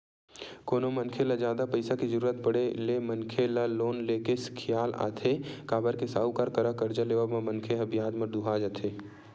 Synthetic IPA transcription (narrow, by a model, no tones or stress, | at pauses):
koːnomɐnkʰelad͡ʒjaːd̪apɐɪsakizəɾuːɾət̪̚pɐɽelemɐnkʰelaloːnleːkeskʰɪjaːla̰ːt̪ʰekaːbəɾkesaːukaɾkɐɾakɐɾd͡ʒaleːʋamãmɐnkʰeɦɐbʱijaːd̪məd̪uɦad͡ʒat̪ʰeː